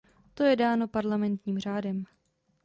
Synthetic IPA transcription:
t̪o̞jɛdaːno̞paɾlamɛnt̪ɲiːmr̝aːdɛm

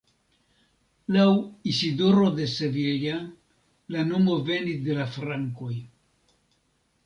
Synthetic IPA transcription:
lawisido̞ɾo̞d̪e̞se̞vilja | lano̞mo̞ve̞nisd̪e̞lafɾaŋko̞j

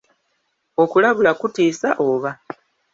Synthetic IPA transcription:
o̞kulaβulakutiːsaʔoːβa

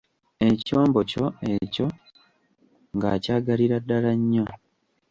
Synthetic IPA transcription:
e̞co̞ːmbo̞co̞eco̞ | ŋɡaːcaːɡaliɾadːalaɲːo

